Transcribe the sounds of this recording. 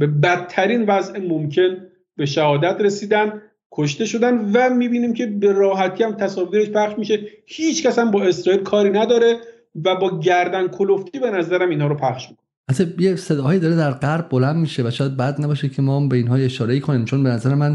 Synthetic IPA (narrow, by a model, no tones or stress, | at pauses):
b̥e̞bæt̪ʰːæɾiːnvæzʔemomcʰe̞n | be̞ʃæhɒːd̪æt̪ɾe̞siːd̪ænd̪ | kʰoʃ̬t̪e̞ʃo̞d̪ænvæmiːbiːniːmcʰe̞be̞ɾɒːɦæt̪ʰiːæmt̪ʰæsɒːviːɾe̞ʃpʰæχʃmiʃe̞hiːt͡ʃʰcæsæmbɒːe̞sɾɒːiːlkʰɒːɾiːnæd̪ɒːɾe̞ | væbɒːɟæɾd̪ænkʰoloft̪ʰiːbe̞næzæɾæminhɒːɾopʰæχʃmiko | ʔæt̪ʰejesed̪ɒːhɒːjiːd̪ɒːɾed̪æɾɢæɾbːolænd̪miːʃevæʃɔːjæd̪̚bæd̪̚næbɒːʃecʰemɒːbeinhɒːeʃɒːɾeiːkʰoniːmt͡ʃʰonbenæzæɾemæn